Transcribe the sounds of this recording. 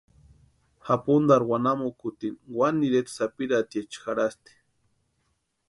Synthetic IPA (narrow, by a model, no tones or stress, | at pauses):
hapund̪aɾwanamokut̪inwanːiɾet̪sapiɾat̪jet͡ʃxaɾast̪i̥